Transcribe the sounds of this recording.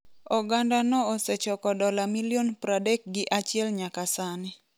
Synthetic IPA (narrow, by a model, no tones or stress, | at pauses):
ɔɡandanɔːsɛt͡ʃɔkɔdɔlamiljonpɾadɛk̚ɡɪʔat͡ʃɪɛlɲakasanɪ